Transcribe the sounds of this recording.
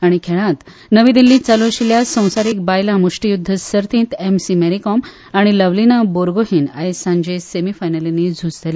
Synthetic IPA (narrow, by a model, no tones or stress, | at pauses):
aɽ̃ikʰeɭãt̪ | nəʋiːd̪ilːĩːt͡saloɕiljasə̃w̃saɾiːk̚bajlãmuʂʈijud̪ʱːəsəɾt̪ĩːnt̪emsimeɾikɔm | aɽ̃iləʋlinaboɾɡoɦiːna̰esãɲd͡ʑesemifajnəlenːid͡zʱut͡slele